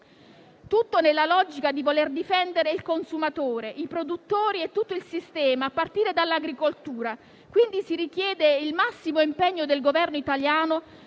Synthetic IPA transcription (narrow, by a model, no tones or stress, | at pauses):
t̪ut̪ːonelːalɔd͡ʒikad̪ivolerd̪ifɛnd̪eɾeilkonsumat̪oːɾeʔipɾod̪ut̪ːoːɾiet̪ːut̪ːoilsist̪ɛːmaːpːart̪iːɾed̪alːaɡɾikolt̪uːɾa | kwind̪isiɾik̟jɛːd̪eilmasːimoimpɛɲːod̪elɡovɛrnoit̪aljaːno